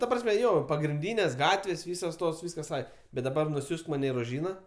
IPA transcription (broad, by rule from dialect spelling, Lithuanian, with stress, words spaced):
tɐ ˈprɑːsʲmʲɛ ˈjoː pɐɡrʲɪnʲˈdʲiːnʲeːsʲ ˈɡɑːtʲʋʲeːsʲ ˈʋʲiːsoːs ˈtoːs ˈʋʲiːskɐs ˈɐɪ bʲɛt dɐˈbɐr nʊˈsʲuːsk ˈmɑːnʲɛ ɪ roːˈʒʲiːnɐ